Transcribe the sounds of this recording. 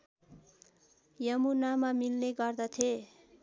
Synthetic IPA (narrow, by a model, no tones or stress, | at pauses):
jʌmunamamilneɡʌrd̪ʌt̪ʰje